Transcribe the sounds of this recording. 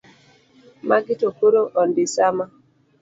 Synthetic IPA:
maɡɪtokoɾoʔɔndisama

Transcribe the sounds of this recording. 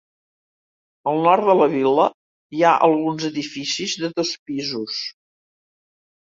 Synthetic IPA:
əlˠnɔɾt̪d̪ələβilə | iaʔəlˠɣunzəðifisizðəðospizus

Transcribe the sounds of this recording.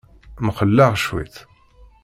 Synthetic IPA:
mχəlːæʁʃwḭθ

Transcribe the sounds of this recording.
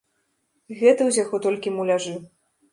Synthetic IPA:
ɣɛt̪ɐwzʲaɣɔt̪ɔlʲkʲimulʲaʐɨw

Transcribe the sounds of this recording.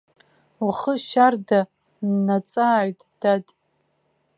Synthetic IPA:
uχəʃarda | nːat͡sʼaːɥtʼd̥adʼ

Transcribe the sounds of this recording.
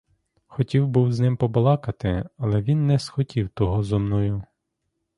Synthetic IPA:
xɔtʲiwbuwznɪmpɔbɔlˠɑkɐt̪ɪɐlˠɛʋʲinːɛsxɔtʲiwt̪ɔɦɔzɔmnɔjʊ

